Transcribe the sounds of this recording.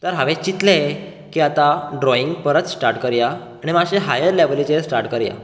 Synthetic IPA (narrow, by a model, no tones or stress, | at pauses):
t̪əɾɦaʋẽt͡ɕit̪le | kiːat̪aɖɾɔiŋɡpəɾət̪sʈaɾʈkəɾja | aɽ̃imaɕeɦajəɾleʋlit͡ɕesʈaɾʈkəɾja̰